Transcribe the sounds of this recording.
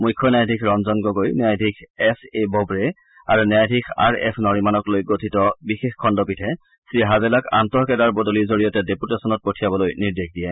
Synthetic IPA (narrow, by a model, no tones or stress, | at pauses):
mujkʰːɔnajdʱikʰɹɔnzɔnɡɔɡojnajdʱikʰɛsebɔbɹɛ | aɹunajdʱikʰa̰ɹɛ̰snɔɹimanɔklojɡotʰitɔbixexkʰɔndɔpitʰɛ | sɹiɦazɛlaka̰ntɔɹkɛdaɹbodolizoɹijɔtɛdeputasɔnɔt̚potʰijabɔlojniɹdekʰdijɛ